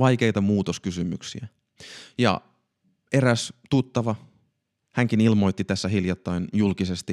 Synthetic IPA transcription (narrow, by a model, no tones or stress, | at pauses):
ɑjk̟e̞jt̪ɑmuːt̪oskysymyksiæ | jɑ̰ | e̞ɾæst̪ut̪ːɑʋɑ | hæŋkinilmo̞jt̪ːit̪æsːæɦiljɑt̪ːɑjnjulkise̞st̪i